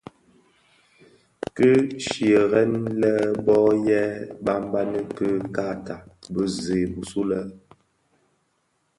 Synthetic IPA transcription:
kə˦ʃjə˨ɣɛ˦nlɛ˦bɔ˦jɛ˦ba˦m˦ba˦nə˦kə˦ka˦˨ta˨bə˦zeː˨bu˨su˦lə˦

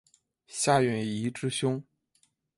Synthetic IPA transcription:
ɕja˥˧ɥɛ˥˩ni˧˥ʈ͡ʂɻ̩˥ɕjʊ˥ŋ

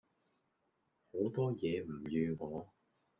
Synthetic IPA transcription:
ho˨˧˥wt̪ɔː˥jɛː˨˧m̩˨˩jyː˧kɔː˨˥

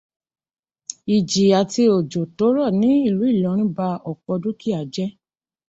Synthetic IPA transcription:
i˨d͡ʒi˨a˨ti˧o˨d͡ʒo˨to˨˦ɾɔ˦˨nĩ˨˦i˦˨lu˨˦i˦˨lɔ̃˨˦ɾ̃ĩ˦ba˧ɔ˨kɔ˧du˦ki˦a˨d͡ʒɛ˦

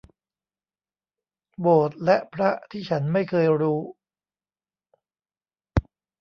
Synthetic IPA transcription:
boː˨˩t̪̚lɛ˦˥ʔpʰɾa˦˥t̪ʰiː˥˩t͡ɕʰa˦˥nma˥˩jkʰɤː˧jɾuː˦˥

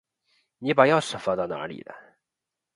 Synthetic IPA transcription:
ni˧˥pa˨˩jɑ˥˩ʊʂə˨˩fa˧˥t̪ɑ˥˩ʊna̰˧˥lḭ˨˩lə̰˦

